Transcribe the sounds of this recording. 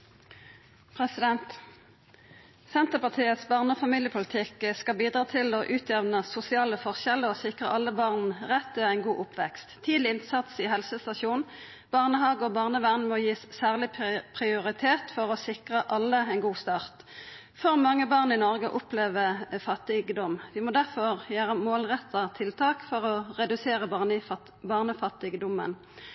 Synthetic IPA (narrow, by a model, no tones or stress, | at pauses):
pʰʁɛsɪd̪ɛnt̪ | sɛnt̪əʁpɑʁt̪ʰiːət̪sbɑːʁnəɔfɑmiːljəpʰʊlɪt̪ʰɪkəskɑbiːd̪ʁɑːt̪ʰɪloʔʉːt̪ʰjɛʋnəsʊsɪɑːləfɔʁʃɛləɔsɪkʁə̰ʔɑlːəbɑːʁnʁɛt̪ːøːæɪnɡuːʔʊpʰʋɛkst̪ʰːiːd̪lɪɪnsɑt̪sihɛlsəst̪ɑʃuːn | b̥ɑʁnəhɑːɡəɔbɑʁnəʋæʁnmoːjiːssæːʁlɪpʰʁɪʊʁɪt̪ʰeːt̪fɔʁɔsɪkʁəʔɑlːəæɪnɡuːst̪ɑːʁt̪ | fɔʁmɑŋːəbɑːʁnɪnɔʁɡəʔʊpleːʋəfɑt̪ːɪɡəd̪ɔmʋɪmɔd̪æʁfɔʁjøːʁəmoːlʁɛt̪ʰːɑt̪ʰɪlt̪ʰɑːkfɔʁɔʁɛd̪ʉseːʁəbɑn | bɑʁnəfɑt̪ːɪɡəd̪ʊmːə̰n